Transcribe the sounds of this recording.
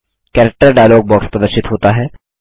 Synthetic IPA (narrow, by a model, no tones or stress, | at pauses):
kɛːɾək̚ʈəɾɖaːjloːɡ̚bɔːkspɾɐd̪əɾʃɪt̪ɦoːt̪aɦɛː